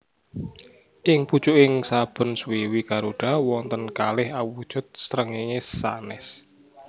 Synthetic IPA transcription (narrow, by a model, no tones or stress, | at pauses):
ʔɪŋput͡ʃʊʔɪŋsab̥ə̤nswiwikaɾuɖ̥a̤wɔŋt̪ənkalɪhawud̥ʒ̥ʊ̤t̪̚sɾəŋiŋesa̰nɛs